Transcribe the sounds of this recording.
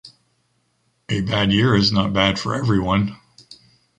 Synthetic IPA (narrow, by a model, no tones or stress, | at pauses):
ɨbædjɪɹɨznət̚b̥æd̥fə̰˞ɛvɹiwʌ̃n